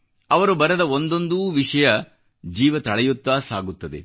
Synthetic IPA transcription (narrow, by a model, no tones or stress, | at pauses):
ɐʋɐɾubɐɾɐd̪ɐond̪ond̪uːʋiʂɐjɐ | d͡ʒiːʋɐt̪ɐɭɐjut̪ːaːsaːɡut̪ːɐd̪ḛ